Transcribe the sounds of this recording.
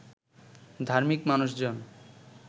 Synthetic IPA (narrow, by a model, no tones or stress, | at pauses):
d̪ʱaɾmikmanuʃd͡ʑon